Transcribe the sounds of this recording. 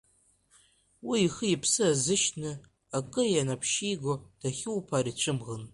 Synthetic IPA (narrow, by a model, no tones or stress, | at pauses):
wiːχəipʰsɨazɨʃnɨ | akʼɨjanapʰʃijɡod̥aχʲɪwpʰarit͡ʃʷʰɨmʁən